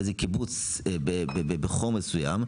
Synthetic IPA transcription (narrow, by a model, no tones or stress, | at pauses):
zekibut͡s | bebebebeχomːesuja̰m